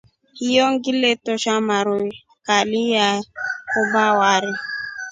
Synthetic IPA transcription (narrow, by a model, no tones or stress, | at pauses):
hijɔŋɡiletɔʃamaɾu | kalijaubawaɾi